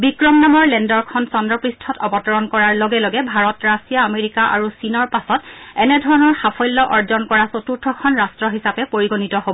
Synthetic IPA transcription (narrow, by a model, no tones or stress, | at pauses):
bikɹɔmnamɔɹlɛndɔɹkʰɔnsɔndɹɔpɹistʰɔtɔbɔtɔɹɔnkɔɹaɹlɔɡɛlɔɡɛbʱaɹɔtɹasijaːmeɹikaʔa̰ɹusinɔɹpasɔtɛnɛdʱɔɹɔnɔɹxapʰɔjlːɔʔɔɹzɔnkɔɹasotuɹtʰɔkʰɔnɹastɹɔɦisapɛpoɹiɡonitɔɦobɔɔ